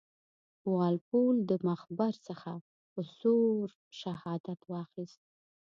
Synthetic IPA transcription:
wɑlpold̪əmaxbaɾsəxa | pəsoɾ | ʃahɑd̪at̪wɑxist̪̚

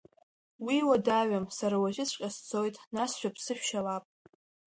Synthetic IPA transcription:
wiwadaɥamsaɾawaʒɪt͡sʷʰqʲʼast͡sʰo̞jtʼnasʃᶣapʰsɨʃᶣʃalapʼ

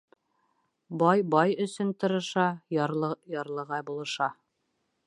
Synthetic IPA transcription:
bɑjbɑjɵ̆sɵnt̪ɤ̆ɾɤ̆ʃɑɾˠɤjɑɾlˠɤ̆ʁɑjbulˠɤ̆ʃɑ

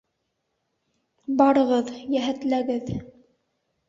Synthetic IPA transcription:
bɑɾɤ̆ʁɤðjæɦæt̪læɡɘð

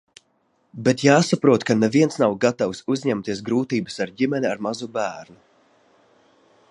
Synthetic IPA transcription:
bet̪jaːsapɾuɔt̪kanɛviɛnsnawɡat̪awsuzʲɲɛmt̪iɛs̬ɡɾuːt̪iːbɨsaɾɟimɛnʲiaɾmazubæːɾnu

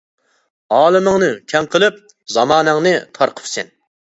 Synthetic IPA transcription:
ɑːlˠɨmɨŋnɨkʲʰɛŋqʰəlˠɨp̚ | zɑmɑːnɨŋnɨt̪ʰɑɾqʰə̥psɪn

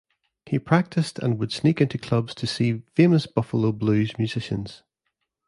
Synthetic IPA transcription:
hipʰɹ̥ak̚tʰɪstʰə̰̃nwəd̥snikɪ̃ntʰʉkʰl̥ʌbz̥tʰəsiːfeməsb̥ʌfəlˠoblˠʉːzmjʉz̥ɪʃə̃nz̥

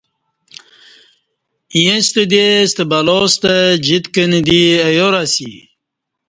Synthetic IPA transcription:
ijest̪əd̪est̪əbalost̪əd͡ʑit̪kənd̪iəjoɾasḭ

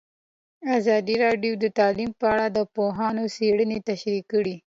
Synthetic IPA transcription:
azɑd̪iɾɑɖjod̪ət̪ɑlimpəaɽad̪əpoɦɑnoseɽənet̪aʃɾikəɽi

